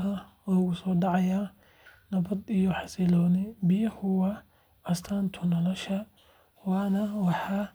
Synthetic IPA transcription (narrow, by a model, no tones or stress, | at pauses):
ɦɐlɔːɣʊsɔːɖɑʕɑjaː | nɐβɐd̪ijɔħɑsɪlɔːnɪbɪjɐhʊwɐ | ɐst̪ʰaːnt̪ʰʊnɔlɔʃɐ | wɑːnɐwɑħɑː